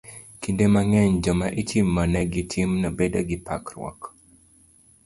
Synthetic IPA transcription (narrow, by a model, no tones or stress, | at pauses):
kindemaŋɛɲd͡ʒɔmaʔitimːanɛɡɪtʰimnɔbedaɡɪpa̰kɾwɔ̰k